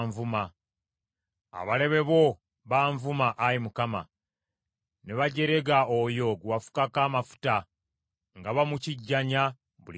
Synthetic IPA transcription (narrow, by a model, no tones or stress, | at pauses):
ɱvuma | a̰βale̞βe̞βo̞ | βaːɱvumaʔajimukama̰ | ne̞βaɟe̞ɾe̞ɡaojo̞ɡuwafu̥kakaːmafu̥ta | ŋɡaβamuciɟːaɲa | βul